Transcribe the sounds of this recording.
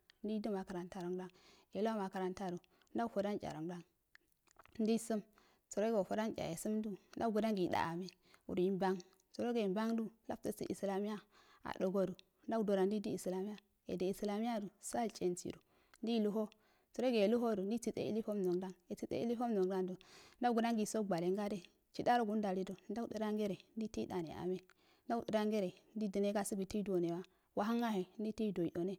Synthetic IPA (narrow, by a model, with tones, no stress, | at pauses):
n˦di˦di˦ma˨ka˨ɾa˨nta˦ɾo˨ŋda˦ŋje˨lu˦a˦ma˨ka˨ɾa˦nta˦ɾu˨˦ | n˦da˦fo˨da˦nt͡ʃʲʼa̰˨ɾo˨da˦ŋ | n˦di˦su˦m | t͡so˨ɾo˦ɡo˨fo˨da˦nt͡ʃʲa̰˨je˨su˦mdu˦n̩˦da˦ɡu˨da˦ŋɡi˨da̰˨ʔa˨me˨ | wṵ˨ɾi˦mba˦ŋ | t͡so˨ɾo˦ɡa˨i˨mba˦ŋdu˦la̰˦ftə˨sḭ˨ʔi˨sla˨mi˦ja˦ | a̰˨do˨ɡo˦ɾu˨ | nda˦ɡdo˨ɾa˨ndi˦di˦i˨sla˨mi˦ja˦ | ḛ˨de˨i˨sla˨mi˦ja˦du˨sa˦˨lt͡ʃʼe˨nt͡sḭ˨ɾṵ˨ | n˦di˦˨lu˦ɦo˦ | t͡so˨ɾo˦ɡe˨lu˦ɦo˦du˨ndi˦t͡si˨t͡sḛ˦ḭ˦li˦fo˦mno˨ŋda˦ŋe˨t͡si˦t͡sḛ˦ḭ˦li˦fo˦mno˨ŋda˦ŋdo˨n˦da˦ɡu˨na˦ŋɡi˨so˦ɡ͡ba˨le˨ŋɡa˦de˦ | t͡ʃi˦da˦ɾo˦ɡu˦n˦da˨ɾi˦do˨nda˦u˦də˨ɾa˦ŋɡe˦ɾe˨n˦di˦ti˦da˨nḛ˨ʔa̰˨me˦ | nda˦ɗi˨ɾa˦ŋɡe˦ɾe˨ndi˦di˨ne˦ɡa˦su˦ɡi˨ti˦do˨ne˨wa˦ | wa˨ɦa˦ŋa˦he˨˦n˦di˦ti˦˨do˨i˨ɗo˨ne˦